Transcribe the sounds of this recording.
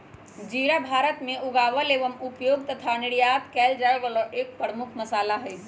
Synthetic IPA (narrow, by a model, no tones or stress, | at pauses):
d͡ʒiːɾabʱaːɾət̪mẽʊɡaːʋəleːʋəmupjoːɡt̪ət̪ʰanɪɽijaːt̪kɛːld͡ʒaːeʋəloʔeːk̚pəɽmʊkʰmɐsaːlaɦɛ